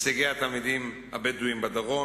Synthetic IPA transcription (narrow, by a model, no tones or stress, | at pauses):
siɡeat̪almid̪im | ha̰bed̪uimbad̪aʁo